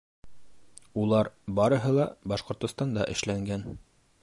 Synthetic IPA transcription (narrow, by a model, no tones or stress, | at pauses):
ulˠɑɾbɑɾɤ̆ɦɤlˠɑbɑʃqŏɾt̪ŏst̪ɑnd̪ɑʔɘ̰̆ʃlæŋɡæn